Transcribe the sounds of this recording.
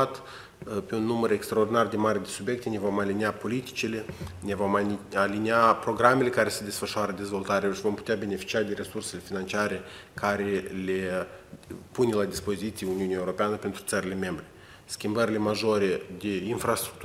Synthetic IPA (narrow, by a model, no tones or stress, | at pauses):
at̪ | pe̞unːuməɾekst̪ɾaord̪inard̪e̞maɾed̪e̞subje̞k̚t̪ene̞vo̞maliniapo̞lit̪i̥t͡ʃile̞nevo̞maliniapɾo̞ɡɾame̞le̞kaɾe̞se̞d̪e̞sfəʃoaɾəd̪e̞zvo̞lt̪aɾeaʃivo̞mpu̥t̪eabe̞ne̞fi̥t͡ʃiad̪e̞ɾe̞surse̞le̞finant͡ʃiaɾe̞kʰaɾe̞le | punelad̪ispo̞zit̪sieuniuniaeuɾo̞peanəpe̞nt̪ɾu̥t̪əɾile̞me̞mbɾe̞ | skʲimbəɾile̞maʒo̞ɾe̞d̪e̞infrast̪ɾu̥kt̪